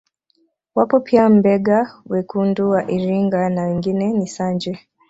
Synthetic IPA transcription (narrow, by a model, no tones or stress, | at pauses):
wapɔpʰiam̩bɛɠawɛkunduwaʔiɾiŋɡanawɛŋɡinɛnisaɲd͡ʒɛ